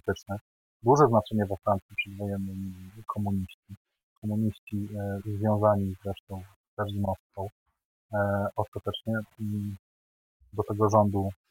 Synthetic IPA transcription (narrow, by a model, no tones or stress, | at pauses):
t̪ɘt͡ʂnɛ | d̪uʐɛznat͡ʂɛɲɛvafɾant̪sʲipʂɛd̪vɔjɛnːɘmʲikʰɔmuɲiɕt͡ɕi | kʰɔmuɲiɕt͡ɕizvʲjɔ̃w̃zaɲizɾɛʂt̪ɔ̃w̃ | pɛɾimɔst̪kɔ̃w̃ | ɔst̪at̪ɛt͡ʂɲɛ | d̪ɔt̪ɛɡɔʐɔnd̪u